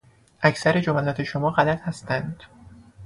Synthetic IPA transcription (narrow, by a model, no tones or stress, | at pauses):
ʔæcʰsæɾe̞d͡ʒomælɒːt̪ʰe̞ʃomɒːɢælæt̪hæst̪ænd̪̥